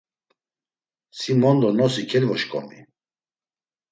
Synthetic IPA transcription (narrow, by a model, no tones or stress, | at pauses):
simɔnd̪ɔnɔsikʰɛlvɔʃkʼɔ̰nḭ